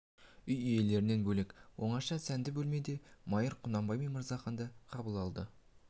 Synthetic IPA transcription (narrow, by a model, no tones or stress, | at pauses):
ʏjije̞le̞ɾɪne̞nbɵlekwo̞ɴɑʃɑsænd̪ɪbɵlme̞d̪e̞mɑjəɾqʰʊnɑmbɑjmejməɾzɑχɑnd̪ɑqʰɑbəlˠɑlˠd̪ə